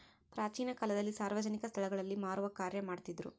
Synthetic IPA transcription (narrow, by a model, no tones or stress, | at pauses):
pɾaːt͡ʃiːnɐkalɐd̪ɐlːisaːɾʋɐd͡ʒɐnikɐst̪ʰɐɭɐɡɐɭɐlːimaːɾuʋɐkaːɾjɐmaːɽt̪id̪ɾṵ